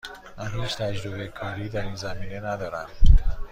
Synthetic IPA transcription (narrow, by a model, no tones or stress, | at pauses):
mænhiːt͡ʃt̪ʰæd͡ʒɾobekʰɒːɾiːd̪æɾinzæmiːnenæd̪ɒːɾæm